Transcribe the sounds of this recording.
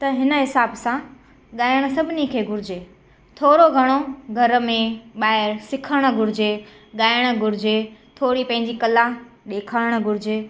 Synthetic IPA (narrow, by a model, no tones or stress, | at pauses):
t̪ɐɦɪnə̆ɦɪsaːbsã | ɠaːɪɽ̃əsɐbʱɪnikʰeːɡʱʊɾɪd͡ʑeː | t̪ʰoːɾoɡʱɐɽ̃oɡʱɐɾ̆mẽɓaːɦɪɾsɪkʰəɽ̃ə̆ɡʱʊɾɪd͡ʑe | ɠaːɪɽ̃ə̆ɡʱʊɾɪd͡ʑet̪ʰoːɾipɐ̃ɦɪ̃ɲ̆d͡ʑikɐlaɗ̪eːkʰaːɪɽ̃̆ɡʱʊɾɪd͡ʑeː